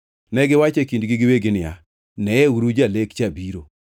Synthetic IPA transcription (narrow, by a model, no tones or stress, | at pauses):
nɛɡɪwat͡ʃɛkindɡɪɡɪweɡɪnɪa̰ | nɛɛuɾud͡ʒalekt͡ʃabiɾo̰